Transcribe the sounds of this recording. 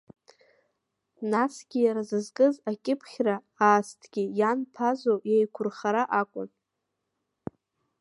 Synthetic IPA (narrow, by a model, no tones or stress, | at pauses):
nasɡʲijaɾazɨzkʼɨzakʲʼɪpʰχʲra | aːstʰɡ̥ʲijanpʰazojajkʷʰʊrχaɾaʔakʷʼʊ̰n